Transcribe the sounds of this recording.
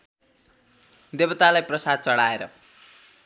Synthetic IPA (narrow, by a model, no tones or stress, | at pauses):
d̪ebʌt̪alajprʌsad̪̚t͡sʌɽaeɾʌ̰